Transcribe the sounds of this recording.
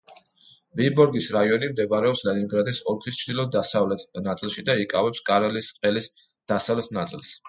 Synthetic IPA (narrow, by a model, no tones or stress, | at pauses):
vibɔɾɡisɾaiɔnimd̪ɛvaɾɛɔpslɛniŋɡɾad̪isɔɾkʰist͡ʃʰd̪ilˠɔd̪asavlɛt̪nat̪sʼilˠʃid̪aikʼavɛpskʼaɾɛlisqʼɛlis | d̪̥asavlɛt̪ʰnat̪sʼilˠs